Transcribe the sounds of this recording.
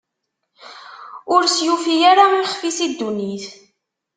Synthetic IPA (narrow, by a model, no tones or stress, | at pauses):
ʊɾsjufijaɾaiχfisid̪ːuniθ